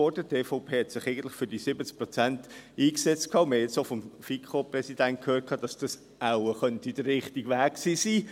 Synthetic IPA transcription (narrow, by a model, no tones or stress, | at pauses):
ɔrdəteːfɔʊpʰeːhɛtsɪχɛɪɡəntlɪχfʏɾd̥isɪbət͡sk̚pɾot͡sæntiːksɛt͡stkʰɑːʊnməɛt͡sofɔmfikʰχoprɛsid̥ænt̚kʰhøːt̚kʰɑːd̥ɑsd̥ɑs | awəχœntid̥ərːɪχtiɡʋæːkksiːsiː